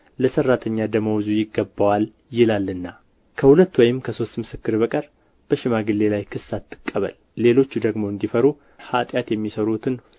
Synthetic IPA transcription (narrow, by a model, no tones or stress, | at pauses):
ləsərːat̪ʰəɲːad̪əməwzujɪɡːəbːəwal | jɪlalːɨnːa | kʰəhulət̪ːwɔjɪmkʰəso̞st̪mɨsɨkːɨɾbəkʼəɾ | b̥əʃɪmaɡɨlːe̞lajkʰɨsːat̪ʰːɨ̥kʼːəβə̰lːe̞lo̞t͡ʃːud̪əɡmo̞ɨnd̪ifəɾu | hat̪ʼjat̪jɛmːisəɾut̪ʰɨn